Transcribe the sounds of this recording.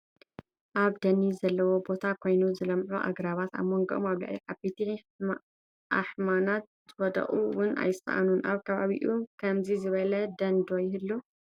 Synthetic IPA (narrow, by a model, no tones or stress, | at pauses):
ʔaβd̪ɐnizɐlːɐwo̞bo̞t̪ʰakʰo̞jnuzɨlɐmʕuʔa̰ɡɾaβat̪a̰βmoŋɡɐʔomaβla̰ʕiħabit̪ʰi | ʔaħmanat̪̚zɨwɐd̪ɐ̰χʼuwʊna̰jɪst̪ɐ̰ʔa̰nunʔaβkʰɐβaβḭʔukʰɐmzizɨβɐlɐd̪ɐnd̪ojɪhɨlːu